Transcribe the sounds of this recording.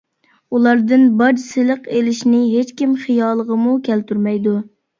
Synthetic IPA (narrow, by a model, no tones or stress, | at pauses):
ulˠɑɾd̪ɨnbɑd͡ʒsɪlˠəqelɪʃnɪɦet͡ʃkʲimχijɑːlˠəʁəmukʲʰælt̪yɾmɛjd̪u